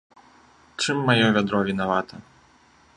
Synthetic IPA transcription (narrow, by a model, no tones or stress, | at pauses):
t͡ʂɨmːajɔvʲad̪ɾɔvʲinavat̪ɐ